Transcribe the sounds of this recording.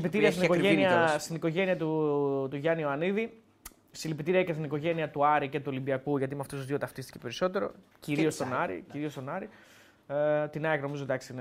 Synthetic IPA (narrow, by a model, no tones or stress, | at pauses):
pit̪iɾiɐst̪inikoʝeniɐst̪iniko̞ʝe̞niɐt̪ut̪uʝɐnioɐniði | silipit̪iɾiɐikɐst̪iniko̞ʝe̞niɐt̪uɐɾice̞t̪uo̞limbiɐkuʝɐt̪imeɐft̪osuzðot̪ɐft̪ist̪i̥cepe̞ɾiso̞t̪e̞ɾo̞̰ciɾiost̪o̞nɐɾḭciɾio̞st̪o̞nɐɾi | t̪inɐɐkno̞mizod̪ɐksiin